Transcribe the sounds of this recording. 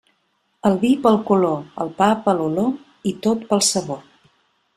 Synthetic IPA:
əlˠβipəlˠkuloə̰lˠpapəlulo | it̪ot̪pəlˠsəβo

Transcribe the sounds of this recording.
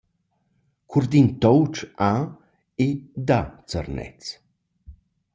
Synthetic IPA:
kʰurd̪int̪ɔwt͡ʃa | ed̪at͡sə̰rnɛ̰t͡s

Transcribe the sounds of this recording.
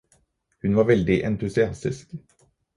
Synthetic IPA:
hʉnʋɑːɾʋɛld̪ɪʔɛnt̪ʉsɪɑst̪ɪsk

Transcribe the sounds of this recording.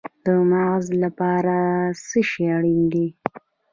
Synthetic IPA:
d̪̥əmaɣzlapɑɾasəʃeaɽind̪i

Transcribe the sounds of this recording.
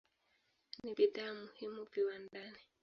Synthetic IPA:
nibidamuhimuviwandani

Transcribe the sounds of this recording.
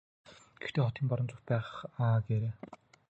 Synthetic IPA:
ɡ̥ext̪ʰeːχɔt̪iːmpɔɾɞ̆nt͡sʊkt̪̚pæːʁχaːɡeːɾeː

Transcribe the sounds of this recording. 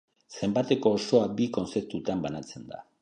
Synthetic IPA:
se̞mbat̪e̞ko̞ːso̞abiko̞nt͡se̞p̚t̪ut̪ambanat͡se̞nd̪a̰

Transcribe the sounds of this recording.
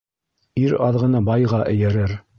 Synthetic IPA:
iɾɑðʁɤ̆nɤbɑjʁɑʔɘ̆jæɾɘɾ

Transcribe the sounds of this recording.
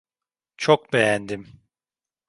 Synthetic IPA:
t͡ʃʰok̚bejænd̪im

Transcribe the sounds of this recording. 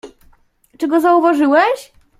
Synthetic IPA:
t͡ʂɛɡɔzauvaʐɘwɛɕ

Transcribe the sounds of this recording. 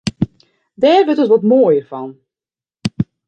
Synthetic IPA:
dɛːrʋøtətʋɔtmoːjərfɑn

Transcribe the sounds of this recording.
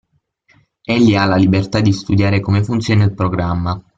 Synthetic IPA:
eʎːialalibert̪ad̪ːist̪ud̪jaːɾekomefunt̪sjoːnailpɾoɡɾamːa

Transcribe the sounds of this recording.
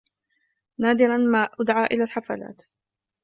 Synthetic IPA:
naːd̪ɪɾanmaːʔʊd̪ʕaːʔɪlaːlħafa̰la̰ːt̪

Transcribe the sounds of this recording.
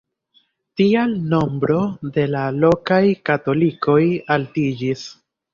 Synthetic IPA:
tialno̞mbɾo̞de̞lalo̞kajkato̞liko̞jaltid͡ʒis

